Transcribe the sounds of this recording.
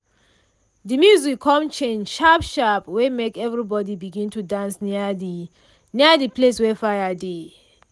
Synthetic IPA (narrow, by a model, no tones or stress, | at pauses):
dimjuzwikʰɔ̃mt͡ʃẽnʃapʃapwɛmekɛvɹibɔdibiɡĩntudãns | niadipleswɛfaɪade